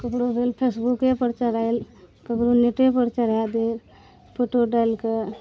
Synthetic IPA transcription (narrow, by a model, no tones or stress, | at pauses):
kəkɽobʱelpʰesbukepəɾt͡ʃəɾajlkəkɾoneʈepəɾt͡ʃəɾjad̪eɾ | pʰoʈoɖaɪlkə